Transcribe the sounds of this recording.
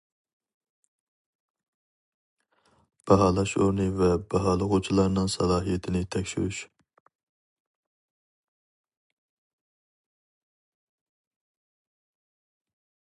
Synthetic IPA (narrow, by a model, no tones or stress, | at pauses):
b̥ɛɦɑːlˠɑʃoɾnɨvɛbɛɦɑːlˠəʁut͡ʃʰilˠɑɾnɨŋsɑlˠɑːɦijɛt̪ʰɪnɪt̪ʰɛkʲʃy̰ɾyʃ